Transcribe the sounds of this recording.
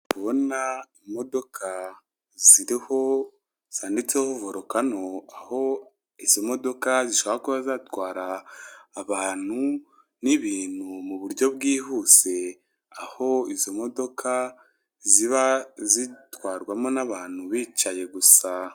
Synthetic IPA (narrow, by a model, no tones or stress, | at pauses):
kuβo̞naimo̞do̞kʰa | ziɾiho̞ | z̥aːndit͡sehovo̞ɾokano̞aho̞ | iz̥o̞mo̞do̞kaziʃoβaakuβazatwaːɾaː | βaːn̥u | niβiːn̥humuβuɾɟo̞βɡiːhuse̞ | aho̞izo̞mo̞do̞kʰa | ziβazitwaːɾɡwamo̞naβaːn̥huβiːt͡ʃaje̞ɡusa